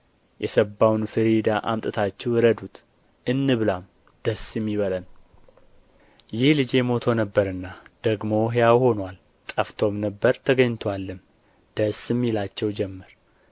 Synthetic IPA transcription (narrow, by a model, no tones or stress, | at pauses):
jʔɛsəbːawnfɨɾid̪aʔa̰mt̪ʼɨt̪ʰat͡ʃːɛwɾəd̪ut̪ | ʔɨnːɨβɨlam | d̪̥əsɪmːiβələn | jɪhlɨd͡ʒe̞mo̞t̪ʰo̞nəbːəɾɨnːad̪̥əɡmo̞ɦejawho̞nwal | t̪ʼəft̪ʰo̞mnəbːəɾt̪ʰəɡəɲːt̪ʰwalːɨm | d̪̥əsɨmːilat͡ʃːɛwd͡ʒɛmːəɾ